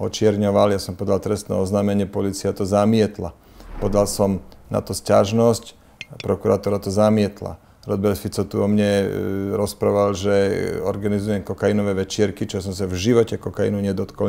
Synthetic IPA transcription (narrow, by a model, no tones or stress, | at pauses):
ɔt͡ʃɪɛɾɲɔʋaljasɔmpɔd̪alt̪ɾɛst̪nɛ̰ːɔznaːmɛɲɪɛpɔliːt͡siat̪ɔzamɪɛt̪la̰ | pɔd̪alsɔmna̰t̪ɔscaʒnɔsc | pɾɔkuɾat̪ɔɾat̪ɔzamɪɛt̪la̰ | ɾɔd̪bɛɾt̪fit͡sɔt̪uɔmɲɛɾɔspɾaʋalʒɛɔɾɡanizujɛmkɔkainɔʋɛʋɛt͡ʃɪɛɾkit͡ʃɔɛs̬ɔms̬avʒiʋɔcɛkɔkaḭnuɲɛd̪ɔt̪kɔl